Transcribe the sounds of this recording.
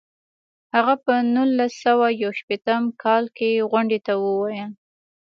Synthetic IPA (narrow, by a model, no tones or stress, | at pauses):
haɣapənulːasːawajawʃpet̪əmkʰɑlkeɣʊɳɖet̪awəwɑjə